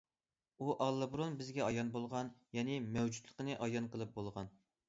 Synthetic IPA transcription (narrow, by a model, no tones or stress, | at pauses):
uʔɑlˠːɨbɾonbɪzɡʲɛɑjɑnbolˠʁɑnjɛnɪmɛwd͡ʒut̪lˠəqənɨʔɑjɑnqəlˠɨp̚bolˠʁɑn